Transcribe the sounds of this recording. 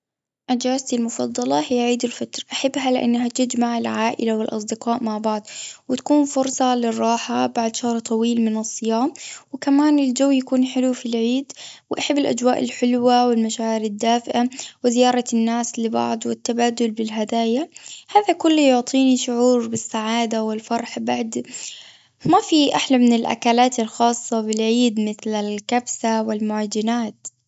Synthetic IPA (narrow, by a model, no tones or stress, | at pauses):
ʔad͡ʒaːst̪ilmʊfɑ̰d̪ˤːɑlɑhɪjaʕiːd̪ʊlfat̪ɾˤʔaħabːɦalɪʔa̰nːɦat̪ɪd͡ʒmaʕɪlʕaːʔɪ̰lawɪlʔɑ̰sˤd̪ɪqɑːʔmaʕbɑʕd̪ˤwɪt̪ḁkuːnfʊɾsˤɑlɪrˤːɑːħabaʕd̪ʃahɾˤt̪ˤɑwiːlmɪnɨsˤːɨjaːmwɪkamaːnɪld͡ʒawːjakuːnħɪlufilʕiːd̪wɪʔaħabːɪlʔa̰d͡ʒwaːʔɪlħɪlwawɪlmaʃaːʕɪɾɪd̪ːaːfɪʔawɪzɪjɑːɾˤɑnːaːslɪbɑ̰ʕd̪ˤwɪt̪ːabaːd̪ʊlbɪlɦad̪aːjahaːðakʊlːjʊʕt̪ˤiːniʃʊʕuːɾbɪsːaʕaːd̪awɪlfɑɾˤħbaʕd̪ | mafiʔaħlamɪnɪlʔa̰kalaːt̪ɪlxɑːsˤːɑbɪlʕiːd̪mɪθlalkabsawɪlmʊʕad͡ʒɪnaːt̪